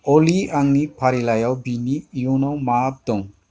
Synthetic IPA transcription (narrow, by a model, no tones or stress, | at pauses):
oliaŋnipʰaɾilajawbinijunawmaːp̚d̪ɔŋ